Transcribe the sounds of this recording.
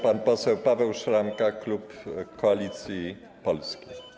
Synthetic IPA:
panpɔsɛwpavɛwʂɾamkaklupkɔalʲit̪sʲji | pɔlskʲej

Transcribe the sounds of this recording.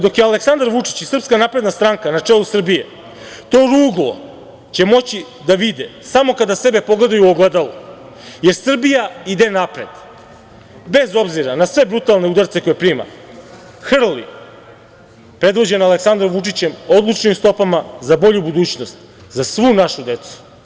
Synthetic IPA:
d̪o̞kjealeksand̪aɾʋut͡ʂi̥t͡ɕisr̩pskanapɾe̞d̪nast̪ɾaŋkanat͡ʂelˠusr̩bije | t̪o̞ːɾuːɡlˠo̞̰ | t͡ɕe̞mo̞t͡ɕi | d̪aʋid̪esamo̞kad̪ase̞be̞po̞ɡle̞d̪ajuoɡlˠed̪alo | je̞ɾsr̩bijaid̪enapɾe̞d̪̥ | be̞zo̞bziɾanasʋe̞bɾut̪alˠne̞ud̪aɾt̪se̞ko̞jepɾiːma̰ | xr̩lḭ | pɾe̞d̪ʋo̞d͡ʑe̞naleksand̪ɾomʋut͡ʂit͡ɕemo̞d̪lˠut͡ʂnimst̪o̞pamazabo̞ʎubud̪uːt͡ɕnost̪ | zasʋunaʃud̪e̞t̪su̥

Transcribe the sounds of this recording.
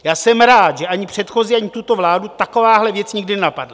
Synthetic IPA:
jaːsɛmɾaːt̪ʒɛʔaɲɪpr̝̥ɛt̪xo̞ziːaɲɪt̪ut̪o̞vlaːdut̪ako̞vaːɦlɛvjɛt͡sɲɪɡdɪnɛnapadla

